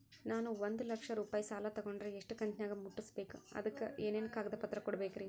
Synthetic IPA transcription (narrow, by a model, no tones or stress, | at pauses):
naːnuʋond̪ulɐkʂɐɾuːpaːjisaːlɐt̪ɐɡoɳɖɾeeʂʈukɐɲt͡ʃnaːɡɐmːuʈːisbeːkuɐ̰d̪ɐkːeʔeːneːnɐkaːɡɐd̪ɐpɐt̪ɾɐkɔɽɐbeːkɾi